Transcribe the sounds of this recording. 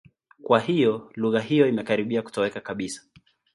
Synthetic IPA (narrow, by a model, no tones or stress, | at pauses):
kwahijɔluɣaɦijɔimɛkaɾiɓiaku̥tɔwɛkakaɓisḁ